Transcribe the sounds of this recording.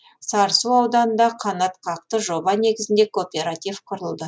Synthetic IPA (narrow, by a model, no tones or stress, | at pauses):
sɑɾsuɑwd̪ɑnənd̪ɑqʰɑnɑt̪qʰɑq̚t̪əʒo̞bɑne̞ɡʲɪzɪnd̪e̞kopʲe̞ɾat̪ʲijvqʰʊɾəlˠd̪ə